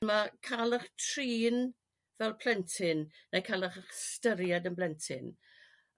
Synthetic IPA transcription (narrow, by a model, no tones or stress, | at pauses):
makʰalˠəχtʰriːn | vɛlˠpʰl̥ɛntʰɪnnejkʰalˠəχəχstəɾjadənblɛntʰɪ̰n